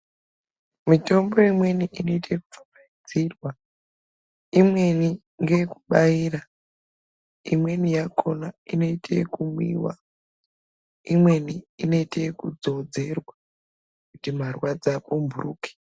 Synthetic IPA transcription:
mito̞mbo̞imwe̞niʔino̞itʰeku̥famaid͡zirwa | imwe̞ni | ŋɡeku̥ɓaiːɾa | imwe̞nijakʰo̞naino̞itʰekumwḭːwa̰ | imwe̞niino̞itekud͡zo̞d͡ze̞rwa | kkutimarwad͡zakumbʱuruːke̥

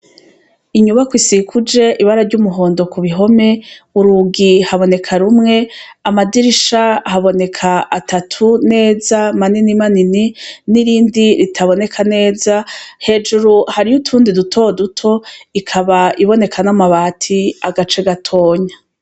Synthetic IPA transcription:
iɲuβakwisikʰud͡ʒe̞ʔiβaɾaɾɟumuɦo̞ːndo̞kuβiɦo̞me̞uɾuɡihaβo̞ne̞kʰaɾumŋe̞amadiɾiʃahaβo̞ne̞kʰaːtʰatʰune̞ːzamaninimanininiɾiːndiɾitʰaβo̞ne̞kʰane̞ːzahe̞ːd͡ʒuɾuhaɾijutʰuːndidutʰo̞dutʰo̞ikʰaβaiβo̞ne̞kʰanamaβaːtʰiaɡat͡ʃe̞ɡatʰo̞ːɲa

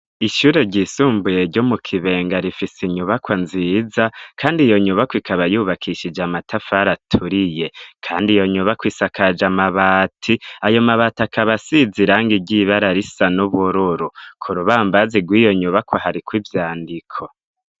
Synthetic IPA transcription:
iʃuːɾe̞ɟisuːmbuje̞ɾɟomukʰiβe̞ːŋɡaɾifisiɲuβakwanzizakʰaːndijo̞ɲuβakwikʰaβajuːβakʰiʃid͡ʒamatʰafaɾatʰuɾije̞kʰaːndijo̞ɲuβakwiːsakʰad͡ʒamaβaːtʰiajo̞maβatakʰaβasiziɾaːŋɡiɟiβaɾaɾisanuβuɾuɾukʰuɾuβaːmbaziɡwiːjo̞ɲuβakwohaɾikwivjaːndikʰo

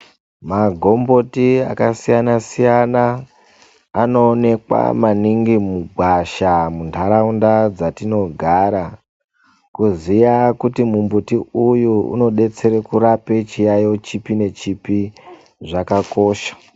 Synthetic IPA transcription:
maɡʱo̞mbo̞tia̰kasijanasijanaː | no̞ːne̞kwa̰maniŋɡimuɡʱwaʃamuntʰaɾaundad͡zatino̞ɡʱaɾa | kuzijakutimumbutiujuṵno̞ɗe̞t͡se̞ɾekuɾape̞t͡ʃijajo̞t͡ʃipine̞t͡ʃipi | ʐakako̞ːʃḁ

